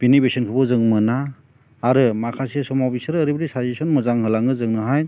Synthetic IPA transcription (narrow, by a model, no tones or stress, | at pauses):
binibesɔnkʰɯbɔzɯŋmɯnaː | ɾɯmakʰasisɔmawbisɯɾːɾibɐɾisajsesɔnmɯzaŋhɯlaŋɯzɯŋnɯɦaj